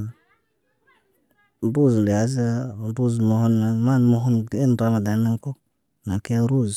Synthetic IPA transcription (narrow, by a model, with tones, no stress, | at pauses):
bu˦˨zle˨a˨˦za˦˨˦bu˦zmo˨ho˦na˨ma˦˨nmo˨˦ɦo˦n˨e˦n˨ɾa˨˦ma˨da˨˦na˦ŋko˦ | na˨ke˦a˦ɾu˦z